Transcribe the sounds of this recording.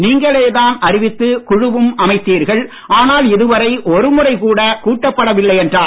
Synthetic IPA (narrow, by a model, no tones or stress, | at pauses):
niːŋɡɐɭeːðaːnʔɐɾɪʋɪt̪ːɯkʊɻʊʋɯmʔɐmɐɪt̪ːiːɾɣɐɭ | ʔaːnaːlɪðɯʋɐɾɐɪʔɔɾɯmʊɾɐɪkuːɽɐkuːʈːɐpːɐɽɐʋɪlːɐɪɛndraː